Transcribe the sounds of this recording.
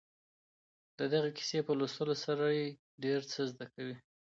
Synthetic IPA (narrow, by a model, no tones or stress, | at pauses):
d̪̥əd̪aɣaki̥sepəlost̪əlosaɾaje | ɖeɾt͡səzd̪akawi